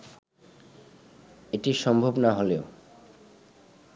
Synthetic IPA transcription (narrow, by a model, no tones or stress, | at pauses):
eʈiʃɔmbʱobnaɦoleo